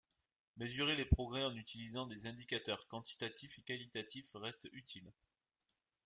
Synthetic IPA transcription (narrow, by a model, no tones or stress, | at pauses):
møzyʁelepχɔɡʁɛɑ̃nyt̪ilizɑ̃d̪ezɛ̃d̪ikat̪œʁkɑ̃t̪i̥t̪at̪ifekalit̪at̪ifʁɛst̪yt̪ʰil